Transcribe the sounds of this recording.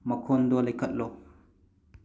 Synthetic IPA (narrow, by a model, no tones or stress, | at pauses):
mɐkʰɔnd̪ɔlajkɐt̪̚lɔ